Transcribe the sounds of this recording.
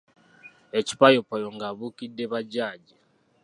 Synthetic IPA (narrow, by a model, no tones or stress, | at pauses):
eci̥pajopajoŋɡaβukidːeβaɟaːɟi